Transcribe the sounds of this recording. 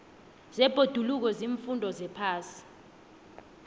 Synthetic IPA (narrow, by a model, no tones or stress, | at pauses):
zɛb̥ʱod̥ʱuluk̬ɔziɱfundʱɔzɛpʰaːsi̥